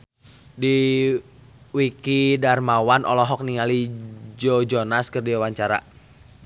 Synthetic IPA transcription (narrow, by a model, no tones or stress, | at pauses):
di | wikidarmawanʔɔ̰lɔɦɔk̚niŋalid͡ʒɔd͡ʒɔnaskɨrdiwawaɲt͡ʃaɾa̰